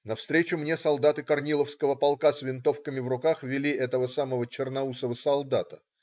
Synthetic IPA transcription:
nɐfst̪ɾʲet͡ɕʊmnʲesɐlˠd̪at̪ɨkɐrnʲilˠəfskəvəpɐlˠkasvʲɪnt̪o̞fkəmʲɪvrʊkaxvʲɪlʲiʔɛt̪əvəsaməvət͡ɕɪrnɐusəvəsɐlˠd̪at̪ə

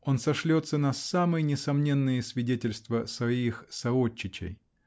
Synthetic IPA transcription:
o̞nsɐʂlʲot̪sənɐsːamɨjənʲɪsɐmnʲe̞nːɨjəsvʲɪdʲetʲɪlʲst̪vəsvɐixsɐot͡ɕːɪt͡ɕɪ̰j

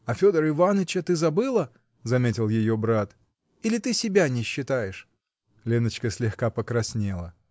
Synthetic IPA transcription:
ɐfʲo̞d̪əɾɨvanət͡ɕət̪ɨzɐbɨlˠə | zɐmʲetʲɪlˠjɪjobɾat̪ | ilʲɪt̪ɨsʲɪbʲanʲɪɕːɪt̪ajɪʂ | lʲenət͡ɕkəsʲlʲɪxkapəkɾɐsʲnʲe̞lˠə

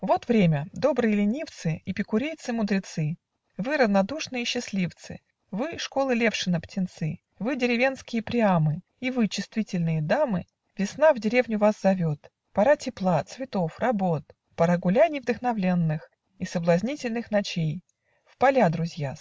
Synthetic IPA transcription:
vo̞t̪vɾʲemʲəd̪o̞bɾɨjəlʲɪnʲift̪sɨipʲɪkʊɾʲejt̪sɨmʊd̪ɾʲɪt̪sɨ | vɨɾəvnɐd̪uʂnɨjəɕːɪsʲlʲift̪sɨ̰ | vɨʂko̞lˠɨlʲe̞fʂɨnəptʲɪnt̪sɨ | vɨdʲɪɾʲɪvʲe̞nskʲɪjəpɾʲɪamɨ | ivɨt͡ɕɪst̪vʲitʲɪlʲnɨjəd̪amɨ | vʲɪsnavdʲɪɾʲevnʲʊvaszɐvʲot̪ | pɐɾatʲɪplˠat̪svʲɪt̪ofrɐbot̪̚ | pəɾaɡʊlʲanʲɪvd̪əxnɐvlʲenːɨx | isəblˠɐzʲnʲitʲɪlʲnɨxnɐt͡ɕej | fpɐlʲad̪ɾʊzʲja

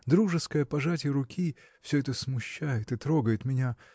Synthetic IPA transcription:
d̪ɾuʐɨskəjəpɐʐatʲɪɾʊkʲi | fsʲɵɛt̪əsmʊɕːæjɪt̪ɨt̪ɾo̞ɡəjɪt̪mʲɪnʲa

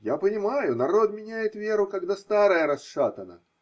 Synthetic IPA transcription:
japənʲɪmajʊnɐɾo̞t̪mʲɪnʲæjɪt̪vʲe̞ɾʊkɐɡd̪ast̪aɾəjəɾɐsʂat̪ənə̰

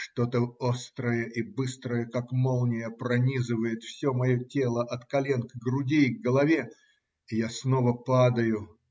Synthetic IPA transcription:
ʂt̪o̞t̪əo̞st̪ɾəjəʔibɨst̪ɾəjəkakmolˠnʲɪjəpɾɐnʲizɨvəjɪt̪fsʲomɐjotʲe̞lˠəʔɐt̪kɐlʲe̞nkɡɾʊdʲeɡɡəlˠɐvʲe̞ | ɪjasno̞vəpad̪əjʊ

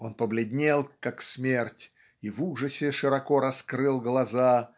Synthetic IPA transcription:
o̞npəblʲɪd̪ʲnʲelˠkaksmʲertʲ | ivuʐɨsʲɪʂɨɾɐkoɾɐskɾɨlˠɡlˠɐza

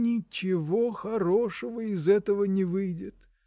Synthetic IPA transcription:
nʲɪt͡ɕɪvoxɐɾo̞ʂəvəɪzɛt̪əvənʲɪvɨjdʲɪt̪

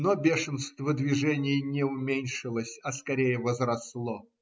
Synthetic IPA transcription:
nobʲeʂɨnst̪vəd̪vʲɪʐɛnʲɪjnʲɪʊmʲenʲʂɨlˠəsʲɐskɐɾʲejəvəzɾɐslˠo

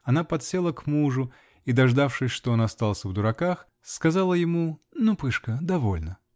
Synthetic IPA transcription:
ɐnapɐt̪sʲelˠəkmuʐʊ | id̪ɐʐd̪afʂɨsʲʂt̪oonɐst̪alˠsʲəvd̪ʊɾɐkax | skɐzalˠəjɪmunupɨʂkəd̪ɐvo̰lʲnə

